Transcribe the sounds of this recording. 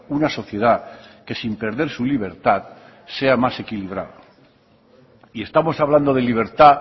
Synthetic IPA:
unaso̞θje̞ð̞ake̞simpe̞ɾðe̞ɾsuliβ̞e̞ɾt̪að | se̞amase̞kiliβ̞ɾa̰ðo | iest̪amo̞saβland̪o̞ð̞e̞liβ̞e̞ɾt̪a

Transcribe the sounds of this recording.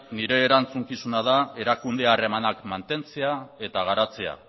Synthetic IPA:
niɾe̞ːɾant͡suŋkisunaðae̞ɾakund̪e̞are̞manakmant̪e̞nt͡se̞ae̞t̪aɣ̞aɾat͡sea̰

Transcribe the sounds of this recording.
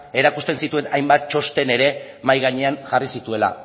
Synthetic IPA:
e̞ɾakust̪e̞nsit̪ue̞najmbat̪̚t͡ʃo̞st̪e̞ne̞ɾe̞ | majɣ̞aɲe̞anʝarisit̪ue̞la̰

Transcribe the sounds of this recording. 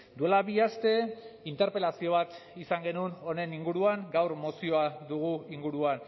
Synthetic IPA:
d̪ue̞laβiast̪e̞int̪e̞ɾpe̞lasio̞β̞at̪isaŋɡe̞nuno̞ne̞niŋɡuɾuaŋɡawɾmosio̞aðuɣ̞uiŋɡuɾuan

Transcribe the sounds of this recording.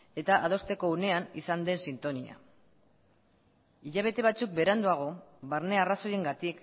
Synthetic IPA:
e̞t̪aʔað̞o̞st̪e̞ko̞une̞anisand̪e̞nsint̪o̞nia̰ | iʎaβ̞e̞t̪e̞β̞at͡suk̚be̞ɾand̪uaɣ̞o̞βaɾne̞araso̞je̞ŋɡat̪ik

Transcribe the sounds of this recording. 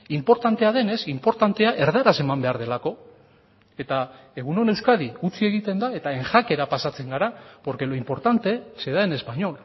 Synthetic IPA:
impo̞ɾt̪ant̪e̞að̞e̞ne̞simpo̞ɾt̪ant̪e̞aʔe̞ɾðaɾase̞mambe̞aɾðe̞lako̞ | e̞t̪a | e̞ɣ̞uno̞ne̞wskaðiɣut͡sie̞ɣit̪e̞nd̪ae̞t̪ae̞ŋʝake̞ɾapasat͡se̞ŋɡaɾapo̞ɾke̞loimpo̞ɾt̪ant̪e̞se̞ðaene̞spaɲo̞l

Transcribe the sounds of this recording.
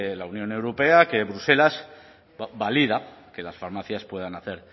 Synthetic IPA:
launjõ̞ne̞wɾope̞ake̞βɾuse̞laz̥ | balið̞ake̞lasfaɾmaθjaspwe̞ðanaθe̞ɾ

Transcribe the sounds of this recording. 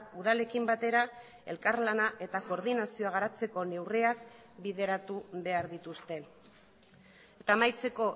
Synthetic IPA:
uðale̞kimbat̪e̞ɾa | e̞̰lkaɾlanaʔe̞t̪ako̞ɾðinasio̞aɣaɾat͡se̞ko̞ne̞wreak̚ | biðe̞ɾat̪uβe̞aɾðit̪ust̪e̞ | et̪amajt͡se̞ko̞

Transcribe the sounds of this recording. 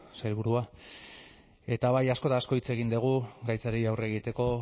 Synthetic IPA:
sajlβ̞uɾua | e̞t̪aβajasko̞t̪aːsko̞it͡se̞ɣind̪eɣ̞uɡajt͡saɾiawre̞ːɣ̞it̪e̞ko̞

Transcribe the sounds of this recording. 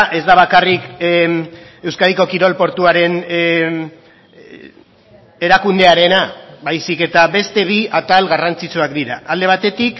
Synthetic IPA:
ʔe̞zd̪aβ̞akarik | e̞wskað̞iko̞kiɾo̞lpo̞ɾt̪uaɾe̞n | e̞ɾakund̪e̞aɾe̞naβajsike̞t̪aβe̞st̪e̞βiat̪alɣarant͡sit͡suakd̪iɾaʔald̪e̞β̞at̪e̞t̪ik

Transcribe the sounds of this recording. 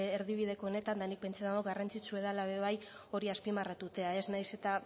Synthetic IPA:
eɾðiβ̞iðe̞ko̞one̞t̪and̪anik̚pe̞nt͡saðaɣoɡarant͡sit͡sue̞ðalaβe̞β̞ajo̞ɾiaspimarat̪ut̪e̞ae̞snajse̞t̪a

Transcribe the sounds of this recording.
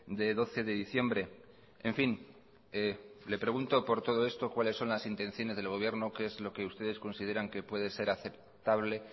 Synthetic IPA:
d̪e̞ðo̞θe̞ðe̞ðiθje̞mbɾe̞ | eɱfin | elepɾe̞ɣunt̪o̞po̞ɾt̪o̞ð̞o̞e̞st̪o̞kwale̞sːo̞nlasint̪ẽ̞nθjo̞nezð̞e̞lɣ̞o̞β̞je̞ɾnokeezlo̞ke̞ust̪e̞ð̞e̞sko̞nsið̞e̞ɾaŋke̞pwe̞ð̞e̞se̞ɾaθe̞p̚ | t̪aβ̞le̞

